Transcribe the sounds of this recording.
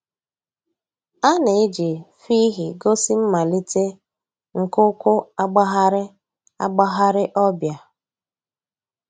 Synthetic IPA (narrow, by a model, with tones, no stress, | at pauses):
a˦ne˨e˦d͡ʒi˨fi˦ɦi˨ɡo˦si˦m̩˦ma˨li˦te˦ | ŋ̩˨kʊ˦kʊ˦a˦ɡ͡ba˦ɦa˦ɾɪ˦ | a̰˦ɡ͡ba˦ɦa˦ɾɪ˦ʔɔ˦bja˨